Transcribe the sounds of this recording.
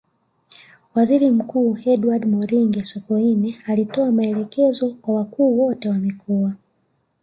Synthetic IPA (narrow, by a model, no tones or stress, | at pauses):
waziɾim̩kuːhɛduwadmɔɾiŋɡɛsɔkɔinɛalitɔamaɛlɛkɛzɔkwawakuːwɔtɛwamikʰɔa